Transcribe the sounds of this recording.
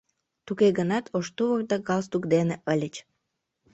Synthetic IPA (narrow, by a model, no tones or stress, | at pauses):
t̪ukeɡənɑt̪ʰoʃt̪uβərd̪ɑɡɑlst̪ukd̪eneʔəlʲət͡ɕ